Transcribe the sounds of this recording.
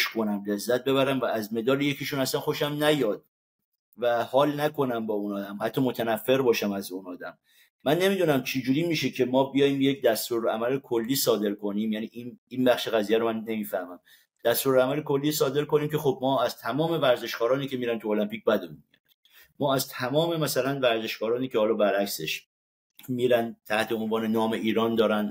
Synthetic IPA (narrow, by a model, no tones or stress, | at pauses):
ʃkʰo̞næmle̞zːæt̪̚be̞βæɾæmvææzme̞d̪ɒːleje̞cʰiʃunæslænxo̞ʃæmnæjɒːd̪̥̚ | væhɒːlnækʰo̞næmbɒːunɒːd̪æmhæt̪ʰːɒːmo̞t̪ʰænæfːe̞ɾbɒːʃæmæzunɒːd̪æmː | ænːe̞miːd̪unæmt͡ʃʰed͡ʒuːɾiːmiːʃe̞cʰe̞mɒːbijɒːjiːmje̞k̚d̪æst̪uːɾæ̰mælekʰolːiːsɒːd̪e̞ɾkʰo̞niːmjæniʔininbæχʃe̞ɣæzijæɾomænːe̞miːfæhmæm | d̪̥æst̪uːɾæmælekʰo̞lːiːsɒːd̪e̞ɾko̞niːmcʰe̞xob̚mɒːæzt̪ʰæmɒːme̞væɾze̞ʃkɒːɾɒːniːcʰe̞miːɾænt̪uolæmpiːc̚bæd̪uu | mɒːæzt̪ʰæmɒːme̞mæsælænvæɾze̞ʃkɒːɾɒːniːcehɒːlɒːbæɾækse̞ʃ | miːɾænd̪t̪ʰæht̪ʰeo̞nvɒːne̞nɒːme̞ʔiːɾɒːnd̪ɒːɾæn